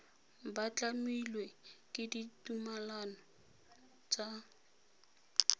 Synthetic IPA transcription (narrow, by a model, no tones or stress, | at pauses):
bat͡ɬamilwekʼɪditumalanɔ | t͡ʃʼa